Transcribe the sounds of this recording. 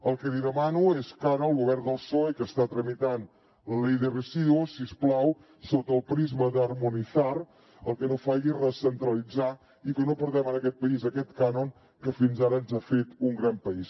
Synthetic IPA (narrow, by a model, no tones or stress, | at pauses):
əlˠkəðiðəmanueskaɾəəlˠɣuβɛrd̪əlˠsoekəst̪at̪ɾəmit̪an | ləlejðərəziðuusːiəsplaw | sot̪əːlˠpɾizməðəːrmuniθar | əlˠkənofaɣirəsənt̪ɾəlid͡za | ikənopəɾðɛmənəkɛt̪̚pəizəkɛt̪kanoŋ | kəfinzaɾəːnzafet̪uŋɡɾampəis